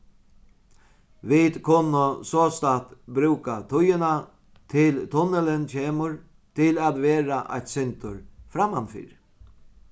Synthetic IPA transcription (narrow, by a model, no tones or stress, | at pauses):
ʋɪd̪kʰʊnːəsoːst̪at̪bɾʉːkat̪ʰʊjəna | t̪ʰɪlt̪ʰɔnələnt͡ɕeːmʊɾ | t̪ʰɪlat̪ʋeːɾaʔa̰jt̪sɛnt̪ʊɾfɾamanfḭːɾ